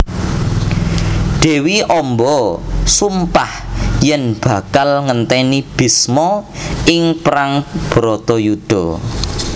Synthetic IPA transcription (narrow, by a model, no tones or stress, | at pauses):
ɖ̥e̤wiʔɔmbɔsumpahjɛnb̥ä̤kalŋənt̪ɛnib̥i̤smɔɪŋpɾaŋb̥ɾɔt̪ɔjud̪̥ɔ